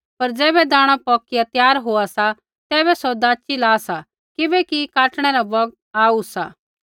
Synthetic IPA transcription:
pɐɾd͡ʒɛːbɛd̪aːɽ̃apɔːkɪjat̪jaːɾɦoːasa | t̪ɛːβɛsɔd̪aːt͡ʃilaːsa | kɪbɛkikaːʈɽ̃ɛɾabɔɡ̚ | aːusaː

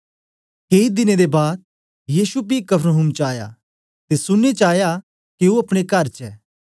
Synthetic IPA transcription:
keːid̪ɪned̪ebaːd̪̚ | jiːsubikɐpʰɾoɦumt͡ʃaːja̰ | t̪esʊnːet͡ʃaːja | kiuɐpɽ̃ekɐɾt͡ʃɛ̰ː

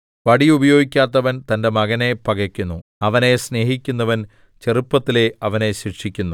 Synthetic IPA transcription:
ʋɐɽiubɐjo̞ːɡikʲːaːt̪ːɐʋɐnt̪ɐnde̞mɐɣɐne̞pɐɣɐkʲːunːuɐʋɐne̞sne̞ːɦikʲːunːɐʋɐn | t͡ɕe̞rupːɐt̪ːile̞ɐʋɐne̞ɕikʂikʲːunːu

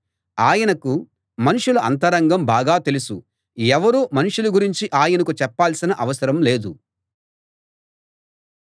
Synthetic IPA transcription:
aːjɐnɐku | mɐnuʂuluɐ̰nt̪ɐɾɐŋɡɐmbaːɡaːt̪e̞lusu | ɛʋɐɾuːmɐnuʂuluɡuɾiɲt͡ʃiʔaːjɐnɐkut͡ʃɛpːaːlsinɐʔɐʋɐsɐɾɐmleːd̪u

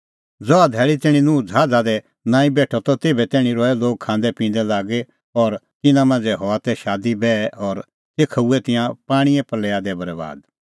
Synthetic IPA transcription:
d͡zɔːad̪ʱɛːɭit̪ɪːɽ̃inũːd͡zʱaːd͡zad̪ɛ | nãːĩbɛːʈʰɔt̪ɔt̪eːbɛt̪ɛːɽ̃ĩɾɔːɛloːɡ̚kʰãːnd̪ɛpĩːn̆d̪ɛlaːɡɛ | ɔɾt̪ɪnãmãːn̆d͡zɛɦɔat̪ɛʃaːd̪ibɛːʔɔɾ | t̪eːkʰauɛt̪ɪjãpaːɽ̃iɛ̃pɐlɛːad̪ɛbɐɾɛba̰ːd̪

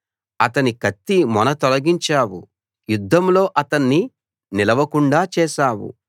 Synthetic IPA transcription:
ɐt̪ɐnikɐt̪ːimɔnɐt̪ɔlɐɡiɲt͡ʃaːwṵ | jud̪ʱːɐmlo̞ːʔɐt̪ɐnːi | nilɐʋɐkuɳɖaːt͡ʃɛːʃaːwṵ

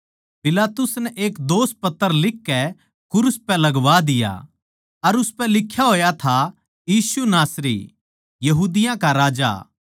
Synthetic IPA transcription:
pɪlaːt̪ʊsnɛʔeːkd̪oːs̚pɐt̪ːəɾlɪkːɛ | kʊɾʊspɛ̃lɐɡʋad̪ɪja̰ | ɐɾʊspɛlɪkʰːjaɦoːjat̪ʰa | jiːsunaːsɾḭ | jɐɦuːd̪ɪjãkaɾaːd͡ʒa̰

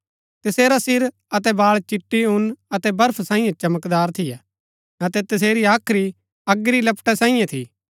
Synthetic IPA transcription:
t̪ɐseːɾasɪɾ | ɐt̪ɛbaːɭt͡ʃɪʈːiʊnɐt̪ɛbɐɾpʰsãːĩjãt͡ʃɐməkd̪aːɾt̪ʰɪjɛ | ɐt̪ɛt̪ɐs̬eːɾiaːkʰɾi | ɐɡɾilɐpʈɛsãːĩjãt̪ʰiː

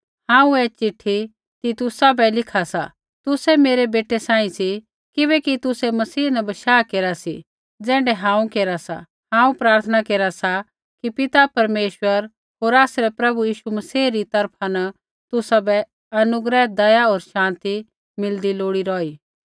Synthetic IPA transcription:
hãːũɛːt͡ʃɪʈʰːi | t̪it̪ʊsabɛlɪkʰasa̰ | t̪ʊsɛmeːɾebeːʈesãːĩsi | kɪbɛkit̪ʊsɛmɐsiːnɐbɐʃaːkeːɾasḭ | d͡zɛ̃ːɳɖɛɦãːũkeːɾasa̰ | hãːũpɾaːɾt̪ʰənakeːɾasa | kipɪt̪apɐɾmeːʃwəɾ | ɦoːɾaːsɾɛpɾɐbujiːʃumɐsiːɾit̪ɐɾpʰanɐ | t̪ʊsabɛ | ɐnʊɡɾɛd̪ɐjaoːɾʃãːnt̪i | mɪld̪iloːɽiɾɔːiː

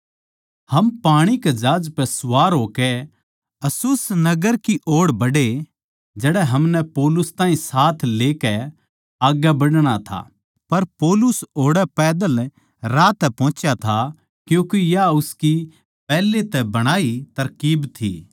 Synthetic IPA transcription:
hɐmpaːɽ̃ikɛd͡ʒaːd͡ʒpɛsʊʋaːɾɦoːkɛ | ɐsʊsnɐɡəɾkiʔoːɽbɐɽe | d͡ʒɛːɽɛɦɐmnɛpoːlʊst̪aːĩsaːt̪ʰleːkɛ | aːɡɛbɐɽɽ̃at̪ʰa̰ː | pɐɾpoːlʊsoːɽɛpɛːd̪əl | ɾaːt̪ːɛpɔ̃ːt͡ʃjat̪ʰa | kjũːkejaʊski | pɛːlːet̪ɛbɐɽ̃aːit̪ɐɾkiːbt̪ʰḭː

